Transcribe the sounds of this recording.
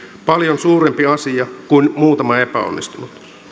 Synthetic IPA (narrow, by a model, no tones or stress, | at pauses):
pɑljonsuːɾempiɑsijɑkuinmuːt̪ɑmɑe̞pæo̰nːist̪unut̪